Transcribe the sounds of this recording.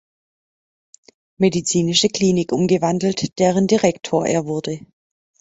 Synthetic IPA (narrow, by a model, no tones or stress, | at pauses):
medit͡siːnɪʃəkl̥iːnɪkʔʊmɡəvandl̩td̥eːʁəndiʁɛktʰoːɐʔḛːɐvʊɐdə